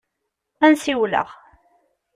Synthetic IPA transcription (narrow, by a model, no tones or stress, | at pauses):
ænsiwlə̰ʁ